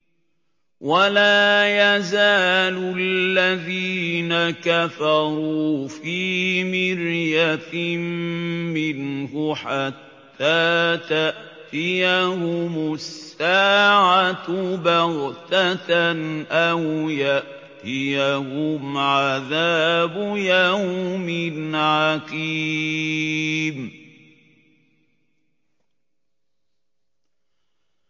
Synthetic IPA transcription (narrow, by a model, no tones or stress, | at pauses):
walaːjazaːlʊlːaðiːnakafɑɾˤuːfiːmɪɾjammɪnhʊħat̪ʰːaːt̪aʔt̪ɪjahʊmʊsːaːʕat̪ʊbaɾt̪at̪nʔawjaʔ | t̪ɪjahʊmʕaðaːbʊjawmɪnʕakiː | m